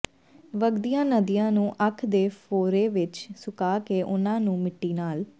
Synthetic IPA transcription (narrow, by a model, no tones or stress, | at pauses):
ʋəɡd̪ijãːnəd̪ijãːnũːʔəkʰd̪eːpʰoːɾeːʋɪt͡ʃsʊkaːkeːʔʊnãːnũːmɪʈːiːnaːl